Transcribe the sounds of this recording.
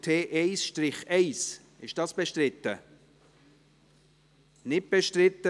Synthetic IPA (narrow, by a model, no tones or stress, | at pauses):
tʰeːʔɛɪsʃtɾɪχɛɪs | ɪʃd̥ɑːsb̥eʃtɾɪt̪ːə | nɪt̚b̥ɛʃtɾɪt̪ːə